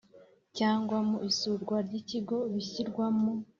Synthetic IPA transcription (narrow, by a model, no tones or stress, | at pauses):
caːŋɡwamuʔisuɾɡwaɾɟiciɡo̞βiçiɾɡwamu